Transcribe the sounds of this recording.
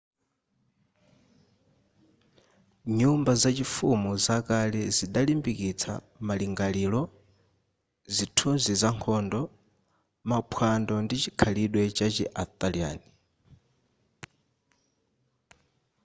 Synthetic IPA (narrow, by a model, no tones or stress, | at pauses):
ɲumbazat͡ʃifumuzakalɛziɗalimbikit͡sʰa̰ | maliŋɡalilɔ | zitʰunzizaŋkʰɔndɔ | mapʰwandɔndit͡ʃikʰaliɗwɛt͡ʃat͡ʃɛ̰ʔat̪ʼalia̰ːni